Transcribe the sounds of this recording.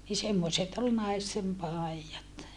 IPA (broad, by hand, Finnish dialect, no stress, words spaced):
ni semːoset ol nɑistem pɑˑi̯jɑt